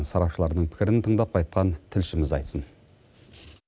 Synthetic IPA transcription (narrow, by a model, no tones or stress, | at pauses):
nsɑɾɑpʃəlˠɑɾnəɴpʰɪ̥kʲɪɾɪnt̪ʰəɴd̪ɑp̚qʰɑjt̪̚qʰɑnt̪ʰɪlʃɪmɪzɑjt̪sən